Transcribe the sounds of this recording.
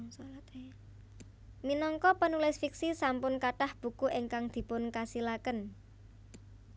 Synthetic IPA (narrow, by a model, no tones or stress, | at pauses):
slt̪ | minɔŋkɔpənulɪsfiksisampʊnkaʈahb̥ṳkuʔiŋkaŋd̪̥i̤pʊnkasilakən